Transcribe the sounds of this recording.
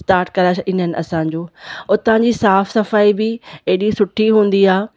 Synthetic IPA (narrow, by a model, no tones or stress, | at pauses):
sʈaːɾʈ̚kɐɾaːʃʔɪn̤ənɪ̆ɐ̰sãːɲ̆d͡ʑoːʊt̪ɐãɲd͡ʑisaːfsɐfaːibɪeɦɗisʊʈʰiɦũːn̆d̪iaː